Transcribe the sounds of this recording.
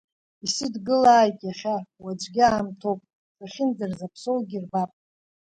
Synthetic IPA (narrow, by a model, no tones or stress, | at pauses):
isɨdɡɨlaːjtʼjaχʲawad͡ʒʷʼɡʲɪaːmtʰo̞wpʼ | saχʲɪnd͡zarzapʰso̞wɡʲirbapʼ